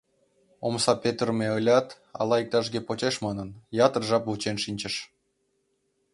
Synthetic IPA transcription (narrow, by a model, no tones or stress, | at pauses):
omsɑpʲet̪rmʲeɤlʲɑt̪ | ɑ̰lˠɑik̚t̪ɑʒɡʲepot͡ɕeʃmɑnɤnjɑt̪ərʒɑput͡ɕenʃinʲt͡ɕə̆ʃ